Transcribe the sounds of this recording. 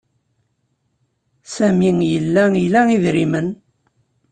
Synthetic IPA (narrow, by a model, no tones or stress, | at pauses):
sæmiŋjəlːæilæiðɾimən